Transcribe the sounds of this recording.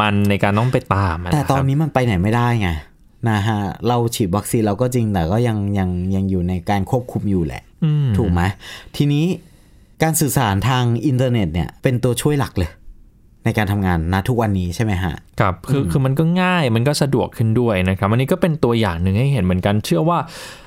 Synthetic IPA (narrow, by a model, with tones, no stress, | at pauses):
ma˧nːa˧jkaː˧nːɔː˥˩ŋpa˧jt̪aː˧mʔt̪ːt̪ɔː˧nːiː˦˥ma˧npa˧jna˨˩˦jma˥˩jdaː˥˩jŋa˧˩ | na˦˥kʰa˦˥ɾa˧wt͡ɕʰiː˨˩wa˦˥k̚siː˧nɾa˧wkɔː˥˩t͡ɕi˧ŋt̪ɛː˨˩kɔː˥˩ja˧ŋja˧ŋja˧ŋjuː˨˩na˧jkaː˧nkʰu˥˩əp̚kʰu˧mjuː˨˩lɛ̰˨˩ʔʔɯː˧t̪ʰuː˨˩k̚ma˦˥jt̪ʰiː˧niː˦˥ | kaː˧nsɯː˨˩saː˩˦nt̪ʰaː˧ŋʔi˧nt̪̬ɤː˧ne˨˩t̪̚nḭ˦˥˩ɐpe˧nt̪u˧ɐt͡ɕʰu˥˩əjla˨˩k̚lɤː˧j | na˧jkaː˧nt̪ʰa˧mŋaː˧nːa˦˥t̪ʰu˦˥k̚wa˧nːiː˦˥t͡ɕʰa˥˩jma˦˥jkʰa̰˦˥ʔkʰa˦˥p̚kʰɯː˧kʰɯː˧ma˧nkɔː˥˩ŋaː˥˩jma˧nkɔː˥˩sa˧du˨˩əkʰːɯ˥˩ndu˥˩əjna˦˥kʰɾa˦p̚ʔa˧ni˦kɔː˥˩pe˧nt̪u˧ɐjaː˨˩ŋnɯ˨˩ŋha˥˩jɦe˨˩˦nmɯ˩˦ənka˧nt͡ɕʰɯ˥˩ɐwaː˥˩